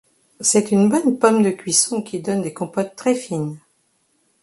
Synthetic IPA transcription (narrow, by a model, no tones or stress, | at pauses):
sɛt̪ynbɔnpɔmd̪əkʲɥisɔ̃kʲid̪ɔnd̪ekɔ̃pɔt̪ːχɛfin